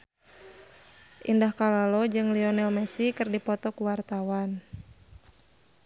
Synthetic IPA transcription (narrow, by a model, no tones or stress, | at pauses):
ʔindahkalalɔd͡ʒɨŋliɔnɛɔmɛsikɨrdipɔt̪ɔkuwart̪awan